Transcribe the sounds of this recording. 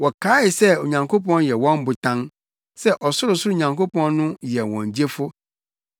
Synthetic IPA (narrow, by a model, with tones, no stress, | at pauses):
wɔ˨kʰaː˨˦ɪ˨sɛ˦o˨ɲã˨ŋkʰo˦pɔ̃˦njɛ˨wɔ̃˦m˦bʊ˨tʰã˦ŋ | sɛ˦ʔɔ˨sʊ˦ɾʊ˨sʊ˦ɾʊ˦˨ɲã˨ŋkʰo˦pɔ̃˦nnʊ̃˦jɛ˨wɔ̰̃˨ɲ˨d͡ʑi˦e˦fʊ˦